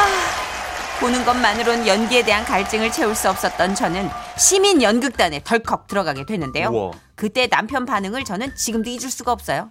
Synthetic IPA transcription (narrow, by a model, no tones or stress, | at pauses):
a | ponɯnɡʌnmanɯɾonjʌnɡie̞de̞ɦankaɭt͡ɕ͈ɯŋɯɭt͡ɕʰe̞uɭs͈uʌp̚s͈ʌt̚t͈ʌnt͡ɕʰʌnɯnɕʰiminjʌnɡɯk̚t͈ane̞tʌɭkʰʌk̚t͈ɯɾʌɡaɡe̞dwe̞nːɯnde̞jo | kɯt͈e̞nampʰjʌnpanɯŋɯɭt͡ɕʌnɯnt͡ɕiɡɯmdoid͡ʑuɭs͈uɡaʌp̚s͈ʌjo